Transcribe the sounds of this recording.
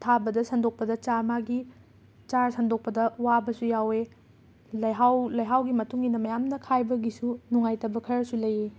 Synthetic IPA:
tʰabɐdɐsɐndok̚pɐdɐt͡ʃaɾmaɡi | t͡ʃaɾsɐndʱok̚pɐdɐwabɐsujawe | lɐjɦawlɐjɦawɡimɐtuŋinɐmɐjamnɐkʰajbɐɡisunuŋajtɐbɐkʰɐɾɐsulɐje

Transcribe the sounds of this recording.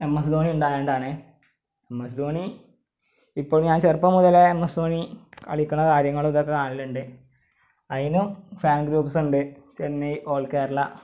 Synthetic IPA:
emːɐsd̪oːniuɳɖaːjeːɳɖaːɳɨ | emːɐsid̪oːni | ipːoːɭɲaːnt͡ɕerpːɐmuðɐlemːɐsd̪oːniɐ̰ɭikʲːunːɐkaːɾjɐŋːɐɭðokːekaːɳilːuɳɖɨ | ɐðinumfaːnɡɾuːpsuɳɖɨt͡ɕenːɐjʔo̞ːɭkeːɾlɐ

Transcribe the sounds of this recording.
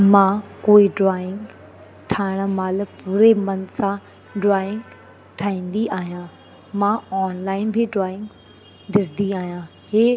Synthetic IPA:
mãːkoːiɖɾaːɪ̃ŋɡ | ʈʰaːɪɽ̃əmaːlpuːɾemɐnsã | ɖɾaːɪ̃ŋɡ | ʈʰaːĩːnd̪iʔaːɦijã | mãɔːnlaːɪnbʱiɖɾaːɪ̃ŋɡ | ɖɪsd̪iaːɦijã | heː

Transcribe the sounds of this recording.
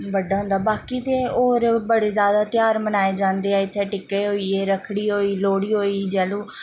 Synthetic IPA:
bəɖaːɦʊ̃nd̪aːbaːkiːt̪eːoːɾbəɽeːzjaːd̪aːt̪ɪjaːɾmənaːeːd͡ʒãːnd̪eːɛːɪt̪ʰːeːʈɪkːeːɦoːiːeːɾəkʰːɽiːɦoːiːloːɽiːɦoːiːd͡ʒɛːluː

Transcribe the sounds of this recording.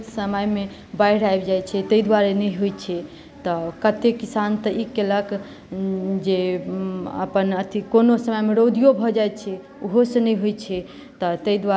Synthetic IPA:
səməjme | baɾajbd͡ʒajt͡ʃʰɛt̪əid̪waɾenəjɦujt͡ʃʰɛ | t̪ɔkət̪ekisant̪əʔikelək | d͡ʒe | ə̰pənət̪ʰikonosəməjmeɾod̪ijobʱɔd͡ʒajt͡ʃʰɛ | uɦosənəjɦojt͡ʃʰɛ | t̪ɔt̪əid̪wa

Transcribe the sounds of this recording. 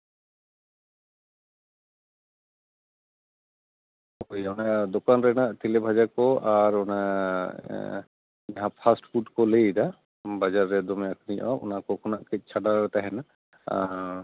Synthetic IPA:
jɔnad̪ɔkanɾɛnaʔt̪ilebʱad͡ʒakɔaɾɔna | aɦãpʰasʈpʰuʈkɔlejda | bad͡ʒaɾːɛd̪ɔmɛakniʔɔʔṵnakɔkʰɔnaʔkɛt̪̚ˀt͡ʃʰaɖaɾɾɛt̪aɦɛna

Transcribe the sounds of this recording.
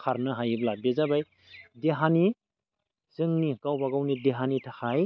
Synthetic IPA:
kʰaɾnɯɦajiblabezabaj | deɦani | z̥ɯŋnikawbaɡawnideɦanitʰahaj

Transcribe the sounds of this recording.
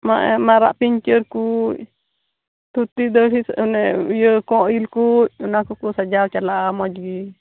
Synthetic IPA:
maʔɛ̰maɾa̰ʔpiɲt͡ʃəɾku | t̪ut̪id̪əɦinɛjəkɔʔilkuʔ̚unakukusad͡ʒawt͡ʃalaʔamɔd͡ʒɡi

